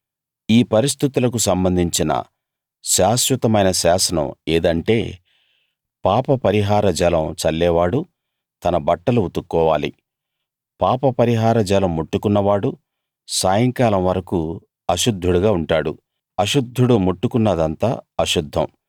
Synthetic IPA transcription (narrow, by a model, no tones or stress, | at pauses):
iːpɐɾis̬t̪ʰit̪ulɐk̬usɐmbɐnd̪ʱiɲt͡ʃinɐ̰ | ʃaːsʋɐt̪ɐmɐjnɐʃaːsɐnɐ̰meːd̪ɐɳʈe̞ː | paːpɐpɐɾiɦaːɾɐd͡ʒɐlɐmt͡ʃɐlːɛːʋaːɽu | t̪ɐnɐbɐʈːɐluut̪ukːɔːʋaːlḭ | paːpɐpɐɾiɦaːɾɐd͡ʒɐlɐmːuʈːukunːɐʋaːɽu | saːjɐŋkaːlɐmʋɐɾɐku | ɐʃud̪ʱːuɽuɡaːuɳʈaːɽu | ɐʃud̪ʱːuɽumuʈːukunːɐd̪ɐnt̪aːɐʃud̪ʱːɐ̰m